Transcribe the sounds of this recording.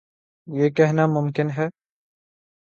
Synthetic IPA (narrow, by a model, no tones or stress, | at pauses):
jeːkɛɦnamʊmkɪnɦɛː